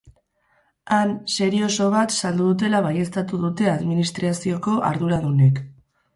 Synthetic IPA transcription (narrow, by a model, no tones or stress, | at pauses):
anse̞ɾio̞so̞β̞at̪sald̪uðut̪̬e̞laβaje̞st̪at̪uðut̪e̞aðminist̪ɾasio̞ko̞ʔa̰ɾðuɾaðune̞k